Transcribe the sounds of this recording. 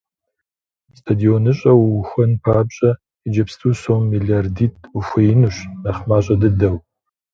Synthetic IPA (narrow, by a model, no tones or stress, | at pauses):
stʰadionɨɕʼɐwxʷɐnpʰaːbɕʼɐ | id͡ʒɐpstʰusoːmːiːɮiardiːt̚ʰufʷɐjɪnuɕnɐχmaːɕʼɐdɨdɐw